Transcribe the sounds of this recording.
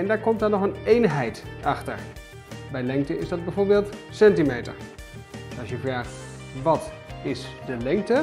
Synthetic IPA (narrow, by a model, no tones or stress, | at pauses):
ɛndaːɹkɔmtaɹnɔχənejnɦɛjtɑχtə̰ɹ | bɛjlɛŋk̚təɪzdɑd̚bɛjvoːɹbeːlˠtsɛntimejtə̰ɹ | ɑsjəvraːχt | ʋɑt | ɪsdəlɛŋk̚tə